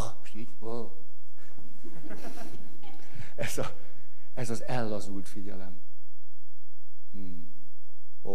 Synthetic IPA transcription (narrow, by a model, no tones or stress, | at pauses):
ɒmoʃt̪iːɟ | o | ɛzɒ | ɛzɒzɛlːɒzult̪fiɟɛlɛm | o